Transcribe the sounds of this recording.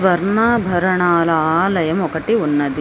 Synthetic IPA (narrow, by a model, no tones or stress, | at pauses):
ʋɐɾɳaːbʱɐɾɐɳaːlɐaːlɐjɐmɔkɐʈiunːɐd̪i